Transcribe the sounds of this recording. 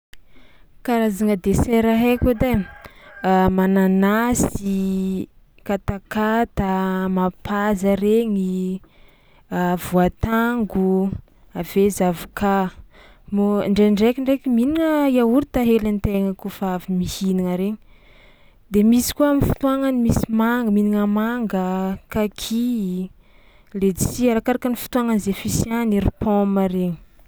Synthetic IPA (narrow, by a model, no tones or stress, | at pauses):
kaɾazaŋəd̪eseɾaɦekud̪e | mananasi | kat̪akat̪amapazaɾeɲi | avuat̪aŋɡu | avezavuka | moɳɖ͡ʐeɳɖ͡ʐekʲiɳɖ͡ʐekiminiŋəiauɾit̪aɦelant̪eŋəkufaavimihiniŋaɾeɲi | d̪emisi̥kuaminfu̥t̪uaŋanimisimaŋɡəminiŋəmaŋɡəkakʰi | led̪isiaɾakaɾakanifu̥t̪uaŋanizefisianiɾipʰɔmaɾeɲi̥